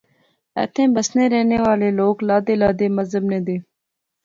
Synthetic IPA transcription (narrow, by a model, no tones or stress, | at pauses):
ɛ̰t̪ʰẽːbəsneːɾeːneːʋaːleːloːklaːd̪eːlaːd̪eːməzəbnẽːd̪eː